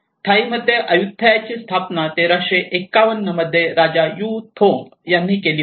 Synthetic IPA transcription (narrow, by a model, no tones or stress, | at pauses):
t̪ʰaiməd̪ʱjeʔəjuk̚t̪ʰajat͡ɕiːst̪ʰapnat̪eɾaɕeʔekaʋənːəməd̪ʱːjeɾad͡ʑajut̪ʰoŋɡjanːiːkeliː